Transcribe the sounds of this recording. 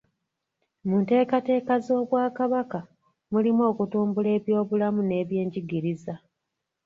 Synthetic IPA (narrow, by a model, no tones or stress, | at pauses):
munte̞ːkate̞ːkazo̞ːβwaːkaβaka | mulimo̞ːkutuːmbule̞ːβjo̞ːβulamune̞ːβje̞ːɲɟiɡiɾiza